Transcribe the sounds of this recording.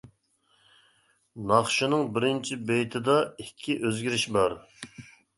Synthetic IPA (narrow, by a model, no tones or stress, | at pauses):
nɑχʃɨnɨŋbɪɾɪnt͡ʃʰibejt̪ʰɪd̪ɑikʲʰːiʔøzɡʲiɾɪʃbɑɾ